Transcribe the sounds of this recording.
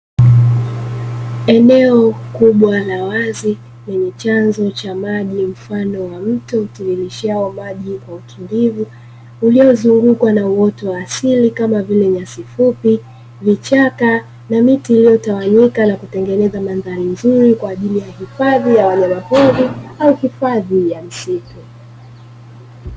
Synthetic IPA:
ɛnɛɔkuɓwalawazi | lɛɲɛt͡ʃanzɔt͡ʃamaʄim̩fanɔwam̩tɔutiɾiliʃiaɔmaʄikwaukʰindivuː | liɔzuŋɡukwanauwɔtɔwaːsilikamavilɛɲasifupi | vit͡ʃaka | namitiːlijɔtawaɲikanakutɛŋɡɛnɛzamanðalim̩zuɾikwaːʄilijahifaðijawaɲamapɔðiauhifaðijam̩situ

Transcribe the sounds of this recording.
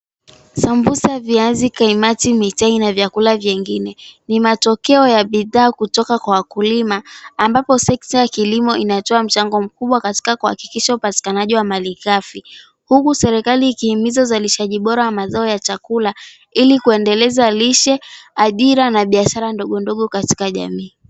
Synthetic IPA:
sambusaviazikaimatimitainavjakulavjɛŋɡinɛnimatɔkɛɔjaɓiðaːkutɔkakwawakulimaːmbapɔsɛk̚tajakilimɔʔinatɔam̩t͡ʃaŋɡɔm̩kuɓwakati̥kakuha̰ki̥kiʃaupati̥kanaʄiwamalikafi | hukusɛɾɛkaliːkihimizauzaliʃaʄiɓɔɾawamazaɔjat͡ʃakula | ilikuɛndɛlɛzaliʃɛaʄiɾanaɓiaʃaɾandɔɠɔndɔɠɔkati̥kaʄa̰miː

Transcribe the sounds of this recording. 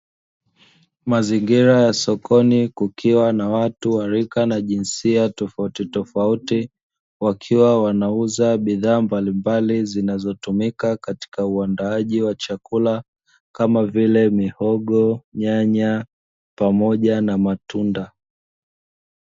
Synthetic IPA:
maziŋɡiɾajasɔkʰɔnikukʰiwanawatuwaɾikanaʄinsiatɔfautitɔfauti | wakʰiwawanauzaɓiðaːmbalimbalizinazɔtumikakati̥kauandaaʄiwat͡ʃakula | kamavilɛmihɔɠɔɲaɲa | pamɔʄanamatunda

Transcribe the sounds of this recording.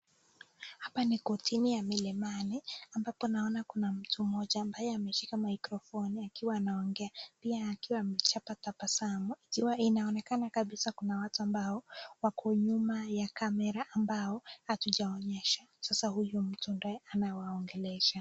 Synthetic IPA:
hapanikɔtʰinijamilɛmaniambapɔnaɔnakunam̩tʰum̩ɔʄaːmbajɛamɛʃikamaikɾɔfɔniakiwaːnaɔŋɡɛapiaːkiwaːmɛt͡ʃapatapasamuikiwainaɔnɛkanakaɓisakunawatuambaɔwakʰɔɲumajakamɛɾaʔːmbaɔhatuʄaɔɲɛʃasasahujum̩tundɔɛanawaɔŋɡɛlɛʃa

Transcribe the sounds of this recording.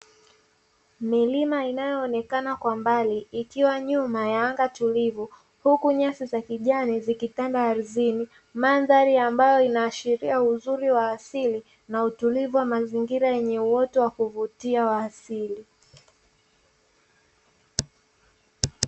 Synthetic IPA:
milimainajɔːnɛkanakwambaliːkiwaɲumajaːŋɡatulivu | hukuɲasizakiʄanizikitandaːɾizini | manðaɾiambajɔinaːʃiɾiauzuɾiwaːsili | nautulivuwamaziŋɡiɾajɛɲɛuwɔtɔwakuvutiawaːsili

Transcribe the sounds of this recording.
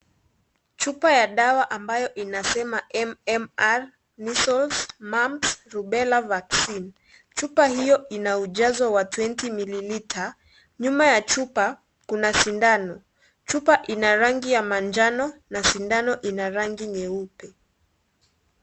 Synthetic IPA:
t͡ʃupajaɗawaʔambajɔʔinasɛmaʔɛmɛmaɾ | nisɔlsmamsɾuɓɛlavaksin | t͡ʃupahijɔinauʄazɔwatwɛntimililitʰa | ɲumajat͡ʃupa | kunasindanɔ | t͡ʃupaʔinaɾaŋɡijamand͡ʒanɔnasindanɔʔinaɾaŋɡiɲɛupɛ

